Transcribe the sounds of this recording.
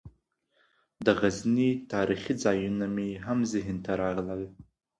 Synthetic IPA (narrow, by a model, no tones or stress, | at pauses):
dɨʁaznitʰaːɾiχʲid͡zaːjunamiɦamziɦɪntʰaɾaʁlal